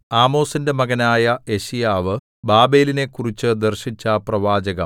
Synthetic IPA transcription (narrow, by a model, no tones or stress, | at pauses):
aːmo̞ːsinde̞mɐɣɐnaːjɐe̞ɕijaːʋɨ | baːbe̞ːline̞kːurit͡ɕːɨd̪ɐrɕit͡ɕːɐprɐʋaːd͡ʑɐɣɐm